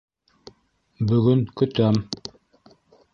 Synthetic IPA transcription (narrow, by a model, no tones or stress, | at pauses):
bɵɣɵŋkɵ̆t̪œm